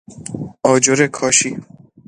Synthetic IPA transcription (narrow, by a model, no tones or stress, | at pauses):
ɔd͡ʒoɾekʰɔʃi